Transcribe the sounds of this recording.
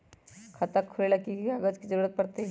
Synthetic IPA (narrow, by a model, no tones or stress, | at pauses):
kʰɐt̪əkʰːʊlelakiaɡəd͡ʒkid͡ʒəɾuɾət̪̚pɐɾt̪e